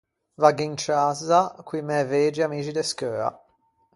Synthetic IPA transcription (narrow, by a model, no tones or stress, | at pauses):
vaɡiinkaːzakwimɛveːd͡ʒiamiːt͡ʃid̪eskøːa̰